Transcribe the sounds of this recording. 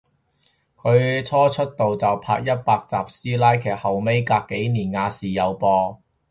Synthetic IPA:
kʰɵ˨˧ɥt͡sʰɔː˥t͡ʃʰɵ˥t̚t̪o˨wt͡sɐ˨wpʰa̰ː˧k̚jɐ˥t̚paː˧k̚t͡saː˨p̚siː˥laː˥jkʰɛː˨˩k̚hɐ˨wme˥jkaː˧kːe˨˥jniː˨˩nŋaː˧siː˨jɐ˨˧wpɔː˧

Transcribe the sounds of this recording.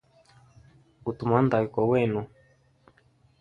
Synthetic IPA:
u˨t̪u˨ma˦nd̪a˨i˨kɔ˨wɛ˦˨nu˨

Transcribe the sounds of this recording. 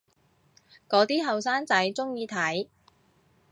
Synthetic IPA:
kɔː˨˥t̪iː˥ɦɐ˨wsaː˥nt͡sɐ˨˥jt͡sʊ˥ŋjiː˨˧t̪ʰɐ˨˥j

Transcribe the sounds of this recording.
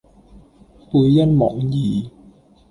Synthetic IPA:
pu˧˦ja˥˨nmɔ̰˨˩˦ŋjiː˨˩˦

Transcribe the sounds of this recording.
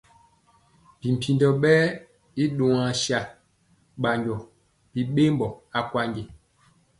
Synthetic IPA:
pi˨m̩˨pʰi˨ndɔ˨ɓɛː˦ | i˦ɗo˨ŋã˨ʃa˨ | ɓa˨ɲɟɔ˨ | pi˨ɓe˦mbɔ˨a˨kwa˦ɲɟe˨

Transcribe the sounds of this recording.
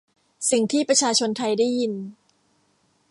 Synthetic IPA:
si˨˩ŋt̪ʰiː˥˩pɾa˧t͡ɕʰaː˧t͡ɕʰo˧nt̪ʰa˧jdaː˥˩jːi˧n

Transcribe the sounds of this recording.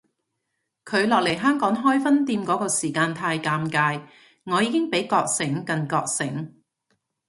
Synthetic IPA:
kʰɵ˨˧ɥlɔː˨k̚le˨˩jɦœː˥ŋkɔː˨˥ŋɦɔː˥jfɐ˥nt̪iː˧mkɔː˨˥kɔː˧siː˨˩kaː˧nt̪ʰaː˧jkaː˧mkaː˧j | ŋɔː˨˧jiː˨˧kɪ˥ŋpe˨˥jkɔː˧k̚sɪ˨˥ŋkɐ˧nkɔː˧k̚sɪ˨˥ŋ

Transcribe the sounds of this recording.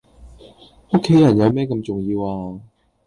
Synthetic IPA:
o˥kʰːe˨˥jɐ˨˩njɐ˨˧wmɛː˥kɐ˧mt͡sʊ˨ŋjiː˧waː˧

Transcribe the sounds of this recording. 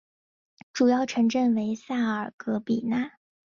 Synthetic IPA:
ʈ͡ʂu˨˩jɑ˥˩ʊʈ͡ʂʰɤ˧˥ŋʈ͡ʂə˥˩ŋwe˧˥ɪsa˥˩ə˞˨˩kɤ˧˥pi˨˩na˥˩

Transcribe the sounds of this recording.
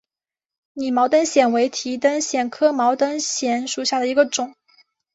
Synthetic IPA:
ni˨˩mɑ˧˥ʊt̪ə˥nɕjɛ˨˩nwe˧˥ɪt̪ʰi˧˥t̪ə˥nɕjɛ˨˩nkʰɤ˥mɑ˧˥ʊt̪ə˥nɕjɛ˧˥nʂu˨˩ɕja˥˩d̪ə˩i˧˥ɡə˧ʈ͡ʂʊ˨˩˦

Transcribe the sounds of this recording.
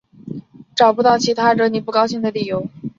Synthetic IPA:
ʈ͡ʂɑ˨˩ʊpu˧˥t̪ɑ˥˩ʊt͡ɕʰi˧˥t̪ʰa˥ʈ͡ʂɤ˥˧˩ni˨˩pu˥˩kɑ˥ʊɕi˥˩ŋd̪ə˩li˥˩jo˧˥ʊ

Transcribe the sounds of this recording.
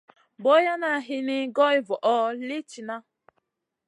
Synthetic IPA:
bɔ˦ja˦na˦˨ɦi˦ni˦ɡɔ˦i˦vɔ˨ʔɔ˦li˦t͡ʃi˨na˦

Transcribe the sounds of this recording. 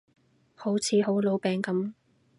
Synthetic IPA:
ho˨˥wt͡sʰiː˨˥ɦo˨˥wlo˨˧wpɛː˨˧ŋkɐ˨˥m

